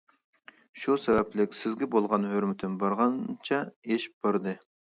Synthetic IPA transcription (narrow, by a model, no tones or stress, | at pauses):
ʃusɛvɛplɪkʲsɪzɡʲɛbolˠʁɑnhøɾmɪt̪ʰɪnbɑɾʁɑnt͡ʃʰɛeʃb̥ɑɾd̪ɨ